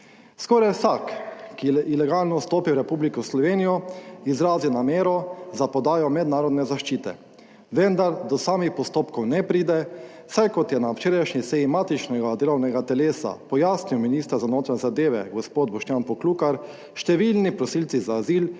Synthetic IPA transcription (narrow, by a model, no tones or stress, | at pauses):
skɔɾajwsakːiilɛɡalnɔst̪oːpiwɾɛpublikɔslɔʋeːnijɔizɾaːziwnameːɾɔzapɔd̪aːjɔmɛd̪naːɾɔd̪nɛzaʃt͡ʃiːt̪ɛ̰ | ʋɛnd̪aɾd̪ɔsaːmixpɔst̪oːpkɔwnɛpɾiːd̪ɛ | sajkɔt̪jɛnawt͡ʃeːɾajʃɲisejimaːt̪it͡ʃnɛɡad̪eːlɔwnɛɡat̪ɛleːsa̰pɔjaːsniwminist̪əɾzanoːt̪ɾaɛzad̪eːʋɛ̰ɡɔspoːd̪̚bɔʃt̪jaːnpɔkluːkaɾ | ʃt̪ɛʋilnipɾɔsiːlt̪sizaːziːl